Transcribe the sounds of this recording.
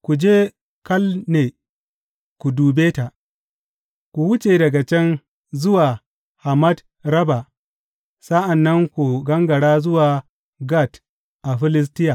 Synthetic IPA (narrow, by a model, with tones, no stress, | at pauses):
kʷu˨d͡ʒeː˦ | kɐ˦lneː˨ | kʷu˨duː˨beː˦ta˨ | kʷu˨wʊ˦t͡ʃeː˨dɐ˨ɡa˨t͡ʃɛ˦n | zʊ˦waː˨ | ha˨mɐ˦d | ɾɐ˦ba˨ | sa˦ʔa˨nːɐ˦ŋkʷu˨ɡɐ˦ŋɡɐ˨ɽaː˦zʊ˦waː˨ | ɡa˦˨t | ʔa˨ɸɪ˦lɪ˦s̬tɪ˦ja˨